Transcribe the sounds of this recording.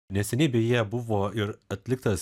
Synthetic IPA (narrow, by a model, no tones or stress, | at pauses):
nʲɛsʲɛnʲeɪbʲɛjiɛbʊʋoːɪɾɐt̪ʲlʲɪkt̪ɐs